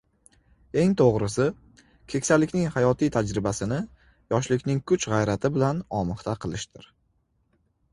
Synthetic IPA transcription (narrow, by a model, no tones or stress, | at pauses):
e̞ŋt̪ʰoʁɾɪsɪ | kʲʰe̞kʲsalːɪkʲnɪŋhajɒt̪ʰijt̪ʰad͡ʒɾɪbasɪnɪ | jɒʃlɪkʲnɪŋkʰʊt͡ʃʁajɾat̪ʰɪbɪlanɒmɨχt̪ʰaqʰɨlˠɪʃt̪ɪɾ